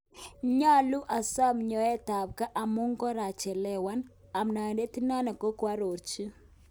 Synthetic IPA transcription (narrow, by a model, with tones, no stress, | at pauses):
ɲa˦lu˦ʔa˨sa˦mɲɔ˨ɛ˦ta˨b̚ka˦ʔa˨mu˦ŋɡɔ˦ɾa˨t͡ʃɛ˨lɛ˨wa˦n | a˨mna˨ɛ˨nde˦ti˦na˦na˨ko˦kwa˦ɾo˨ɾt͡ʃi˦